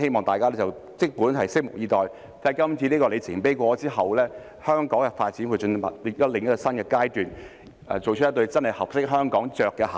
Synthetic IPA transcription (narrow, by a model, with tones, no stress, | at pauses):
e˥jmɔː˨ŋt̪aː˨jkaː˥lɛ˥t͡sɐ˨˩wt͡sɪ˥k̚puː˨˥nɦɐ˨jsɪ˥k̚mʊ˨k̚jiː˨˧t̪ɔː˨j | t̪aː˥˨jkɐ˥mt͡sʰi˧niː˥kɔ˧le˨˧t͡sʰɪ˨˩ŋpe˥jkʷɔː˧t͡siː˥ɦɐ˨wlɛː˥ | hœː˥ŋkɔː˨˥ŋkɛ˧faː˧t̚t͡siː˨˥nwu˨˧t͡ʃɵ˧n˩mɐ̰˨t̚ljɐ˥t̚lɪ˨ŋjɐ˥tːkɔ˧sɐ˥nkɛː˧kaː˥jt̪yː˨n | ɛ̰ː˨˩t͡so˨wt͡ʃ̚ʰjɐ˥t̪̬ɵ˧ɥt͡sɐ˥nhɐ˨jhɐ˨p̚sɪ˥k̚ɦœː˥ŋkɔː˨˥ŋt͡ʃœː˨kːɛ˧a̰ː˨